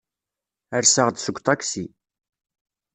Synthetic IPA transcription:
əɾsəʁd̪səɡʷt̪ˤɑksi

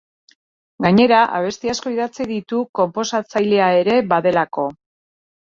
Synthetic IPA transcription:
ɡaɲe̞ɾaʔa̰β̞e̞st̪iasko̞iðat͡siðit̪uko̞mpo̞sat͡sajle̞ae̞ɾe̞βaðe̞lako̞

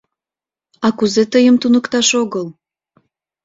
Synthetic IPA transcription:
ɑkuzet̪əjəmt̪unəkt̪ɑʃoɣəl

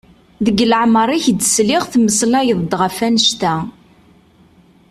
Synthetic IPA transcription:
ðəɡləʕməɾˤiçd̪sliʁθməslæjəðˤd̪ːʁəfænəʃt̪æ

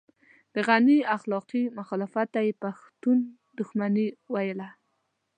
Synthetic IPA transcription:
d̪̥əɣaniaxlɑqimaxɔlɪfat̪ːajepaxt̪un | d̪ʊxmaniwajəla

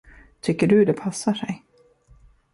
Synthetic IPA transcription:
t̪ʰʏkːəɖɵd̪ɛpʰasːaʂɛj

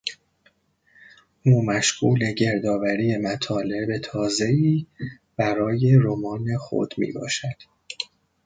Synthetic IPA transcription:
ʔuːmæʃɡuːle̞ɟe̞ɾd̪ɒːvæɾije̞mæt̪ʰɒːle̞be̞t̪ʰɒːze̞iː | b̥æɾɒːje̞ɾomɒːne̞xo̰d̪̥mḭːbɒ̰ːʃæd̪̥

